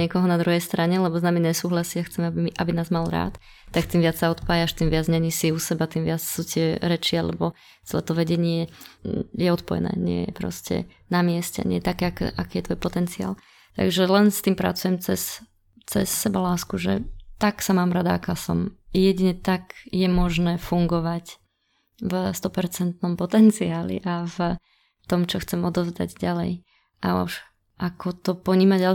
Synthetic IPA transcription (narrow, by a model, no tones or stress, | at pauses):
ɲɪɛkɔɦɔnad̪ɾuɦɛjst̪ɾaɲɛlɛbɔznamiɲɛsuːɦlasiaxt͡sɛmɛabʔabinaːzmalɾa̰ːt̪ː | ak̚t̪iːmʋɪat͡ssaɔt̪paːjaʃt̪iːmʋɪad͡zɲɛɲisiusɛbat̪iːmʋɪat͡ssut̪ɪɛɾɛt͡ʃialɛ̰bɔ | t͡sɛlɛ̰ːt̪ɔʋɛɟɛɲɪɛ | jɛɔt̪pɔjɛ̰nɛ̰ːɲɪɛ̰jɛ̰pɾɔ̰scɛ̰ | namɪɛscɛ̰ɲɛjɛt̪akɛːakɛ̰ʔakiːjɛt̪ʋɔjpɔt̪ɛnt͡sia̰ːl | t̪a̰ɡʒɛlɛnst̪iːmpɾa̰t͡sujɛmt͡sɛs | t͡sɛ̰sːɛbalaːskuʒɛ̰t̪aksamaːmɾad̪aːkaːsɔ̰mjɛɟiɲɛt̪aɡjɛmɔʒnɛːfuŋɡɔʋac | vst̪ɔpɛɾt͡sɛnt̪nɔmpɔt̪ɛnt͡siaːlḭʔav | t̪ɔmt͡ʃɔxt͡sɛmɔd̪ɔzd̪a̰ɟɟalɛ̰j | ʔauʃ | ʔakʰɔt̪ɔpɔɲiːmaɟa